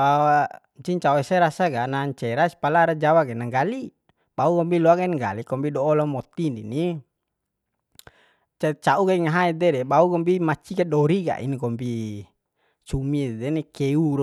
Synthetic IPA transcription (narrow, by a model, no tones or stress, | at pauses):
aa | ɲt͡ʃiɲt͡ʃauɛsɛɾasaɡanaɲt͡ʃɛɾasi̥palaːɾad͡ʒawaɡɛnaŋɡali | bauɡɔmbiluaɡanŋɡa̰likɔmpidɔːlɔmɔt̪inḭni | t͡ʃɛt͡ʃauɡaiŋaɦaɛd̪ɛdɛbauɡɔmbimat͡ʃikadɔɾiɡa̰ʔḭnikɔmbi | t͡ʃumidɛnikɛuɾ